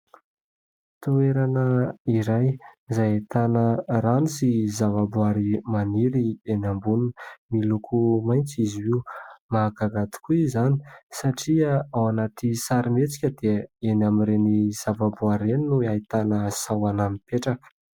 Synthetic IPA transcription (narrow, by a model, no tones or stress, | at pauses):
t̪ueɾanəiɾajzajat̪anəranisizavabuaɾimaniɾienambunnmilukʰumajnt͡siziimaɡaɡat̪i̥kuizani̥saʈ͡ʂiaawanat̪isaɾimet͡si̥kʲəd̪̥eenamiɾeniz̥avabuaɾeninuait̪anəsawanamipeʈ͡ʂakə̥